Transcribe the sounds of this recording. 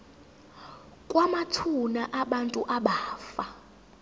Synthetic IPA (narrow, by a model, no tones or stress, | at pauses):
kʼwamatʰunaʔaɓantʼuʔaɓaːfa